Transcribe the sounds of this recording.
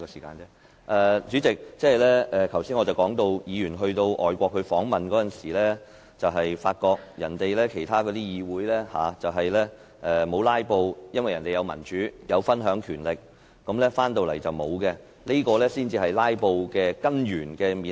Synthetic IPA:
kɔː˧siː˨˩kaː˧nɛː˥ | ʔɛː˨t͡ʃyː˨˥t͡sɪ˨k̚t͡sɛː˥ɐ˨jlɛː˥ɛː˨k̪ʰɐ˨˩wsi˥nŋɔː˨˧t͡sɐ˨wkɔː˨˥ŋt̪o˧wjiː˨˧jyː˨˩nɦɵ˧ɥt̪o˧wʔɔː˨jkʷɔː˧k̚hʰɵ˨˧fɔː˨˥ŋmɐ˨nkɔː˨˧˥t͡sɐ˨nsiː˨˩lɛː˥ | t͡sɐ˨wɦɐ˨jfaː˧t̚kɔː˧k̚jɐ˨˩nt̪e˨jlɛː˥kʰe˨˩jt̪ʰaː˥kɔː˧t̪iː˥jiː˨˧wuː˨˥jlɛː˥haː˨˧t͡sɐ˨wɦɐ˨jlɛː˥ | ʔɛː˨mo˨˧wlaː˥jpo˧wjɐ˥nwɐ˨jɐ˨˩nt̪e˨jɐ˨˧wmɐ̰˨˩nt͡ʃyː˨˥jʔɐ˨˧wfɐ˥nɦœː˨˥ŋkʰyː˨˩nlɪ˨k̚ː | ɐ˨˥mlɛː˥faː˥nt̪o˨˧wlɐ˨˩jt͡sɐ˨wmo˨˧wkɛ˧ | le˥kɔː˧lɛː˥siː˥nt͡siː˧hɐ˨jlaː˥jpo˧wkɛː˧kɐ˥njyː˨˩nkɛː˧miː˨

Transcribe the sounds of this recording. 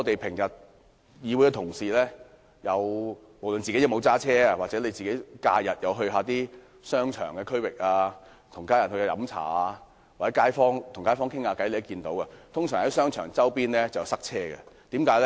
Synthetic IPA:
ŋɔː˨˧t̪e˨jpʰɪ˨˩ŋjɐ˨t̚ | jiː˨˧wjkɛ˧t̪ʰʊ˨˩ŋsiː˨lɛː˥ | jɐ˨˧w | mo˨˩wlɵ˨˧nt͡siː˨ke˨˥jɐ˧wmo˨˧wt͡saː˥t͡sʰɛː˥aː˧waː˨k̚t͡sɛ˨˥ne˧jt͡siː˨ke˨˥jka̰ː˧jɐ˨t̚jɐ˨˧wɦɵ˧ɥɦaː˨˧t̪iː˥ | sœː˥ŋt͡ʃʰœ̰ː˨˩ŋkɛː˧kʰɵ˥ɥwɪ˨k̚aː˧ | t̪ʰʊ˨˩ŋkaː˥jɐ˨t̚hɵ˧kɛ˧jɐ˨˥mt͡sʰa̰ː˨˧ | waː˨˩t͡sɛ˨˥kaː˥jfɔː˥ŋt̪ʰʊ˨˩ŋkaː˥jfɔː˥ŋkʰɪ˥ŋaː˧kɐ˨˥jle˨˧jɐ˥kiː˧nt̪o˨˥wkɐ˧t̪ʰʊ˥ŋsœː˨˩ŋhɐ˨˦jsœː˥ŋt͡ʃʰœː˨˩ŋt͡sɐ˥wpiː˥nlɛ˥t͡sɐ˨wsɐ˥k̚t͡sʰɛː˥ɡɛ̰˧t̪iː˨˥mkaː˨˥jlɛ˥

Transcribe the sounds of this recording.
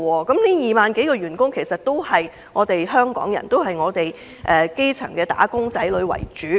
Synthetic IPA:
wɔː˧kɐ˨˥mniː˥jiː˨maː˨nke˨˥jkɔː˧ɥyː˨˩nkʊ˥ŋkʰe˨˩jsɐ˨t̚t̪o˥whɐ˨j | ŋɔː˨˧t̪e˨jɦœː˥ŋkɔ̰ː˨˥ŋjɐ̰˨˩nt̪o˥wɦɐ˨jŋɔː˨˧t̪e˨j | ʔɛː˨ke˥jt͡sʰœ̰˨˩ŋkɛː˧t̪a̰ː˨˥kʊ˥ŋt͡sɐ˨˥jlɵ˨˧ɥwɐ̰˨˩jt͡ʃyː˨˥

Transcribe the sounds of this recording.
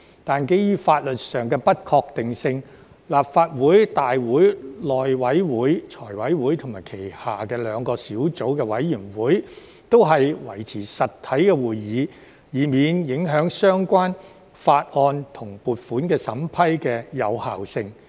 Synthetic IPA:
t̪aː˨nke˥jjyː˥faː˧t̚lɵ˨t̚sœː˨˩ŋkɛː˧pɐ˥t̚kʰɔː˧k̚t̪ɪ˨ŋsɪ˧ŋ | laː˨p̚faː˧t̚wuː˨˥jt̪aː˨jwuː˨˥jlɔː˨jwɐ˨˥jwuː˨˥jt͡sʰɔː˨˩jwɐ˨˥jwuː˨˥jt̪ʰʊ˨˩ŋmaː˨˩jkʰe˨˩jhaː˨˩kɛː˧lœː˨˧ŋkɔː˧siː˨˥wt͡so˨˥wkɛː˧wɐ˨˥jjyː˨˩nwuː˨˥j | t̪o˥wɦɐ˨jwɐ̰˨˩jt͡sʰiː˨˩sɐ˨t̪ʰːɐ˨˥jkɛ˧wuː˨jjiː˨˧ | jiː˨˧miː˨˧njɪ˨˥ŋɦœː˨˥ŋsœː˥ŋkʷaː˥n | faː˧t̚ʔɔː˧nt̪ʰʊ˨˩ŋpuː˨t̚fuː˨˥nkɛː˧sɐ˨˥mpʰɐ˥jkɛː˧jɐ˨˧whaː˨wsɪ˧ŋ

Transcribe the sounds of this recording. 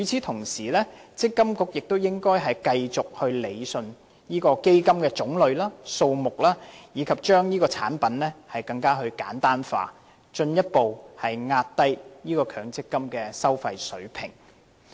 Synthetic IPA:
y˨˥t͡sʰiː˨˥t̪ʰʊ˨˩ŋsiː˨˩lɛː˥t͡sɪ˥kːɐ˥mkʊ˥k̚jɪ˨k̚t̪o˥wjɪ˥ŋkɔː˥jɦɐ˨jkɐ˧jt͡sʊ˨k̚hɵ˧ɥle˨˧jsɵ˨˧n | jiː˥kɔː˧ke˥jkɐ˥mkɛː˧t͡sʊ˨˥ŋlɵ˨˧ɥlaː˥so˧wmʊ˨k̚laː˥jiː˨˧kʰɐ˨p̚t͡ʃœː˥ŋjiː˥kɔː˧t͡sʰa̰ː˨˥npɐ˨˥nlɛː˥hɐ˨jkɐ˧ŋkaː˥ɦɵ˧ɥka̰ː˨˥nt̪aː˥nfa̰ː˧ | t͡ʃɵ˧njɐ˥t̚po˨whɐ˨jŋaː˧t̚t̪ɐ˥jjiː˥kɔː˧kʰœː˨˧ŋt͡sɪ˥kːɐ˥mkɛː˧sɐ˥wfɐ˧jsɵ̰˨˥ɥpʰɪ̰˨˩ŋ

